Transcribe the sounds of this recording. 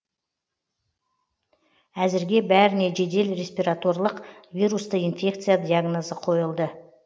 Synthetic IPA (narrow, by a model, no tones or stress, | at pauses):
æzɪɾɡʲe̞bæɾɪne̞ʒe̞d̪e̞lre̞sʲpʲiɾat̪o̞rlˠəqvʲijɾust̪əinfʲe̞k̚t̪sɨjad̪ijaɡnozəqʰo̞jəlˠd̪ə